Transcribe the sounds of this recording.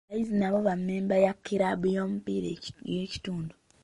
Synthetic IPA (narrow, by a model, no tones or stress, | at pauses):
βaizinaβo̞βamːeːmbajakːiɾaβujoːmupiɾejeci̥tuːndu